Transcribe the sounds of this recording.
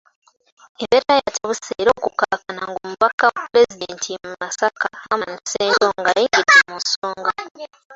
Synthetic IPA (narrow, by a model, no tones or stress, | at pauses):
eβeɾajatʰaβuseɾo̞ːkukakanaŋɡo̞muβakawapɾe̞zidentʰimumasakaamani̥seːdoŋɡajiːŋidɡamunsoːŋɡa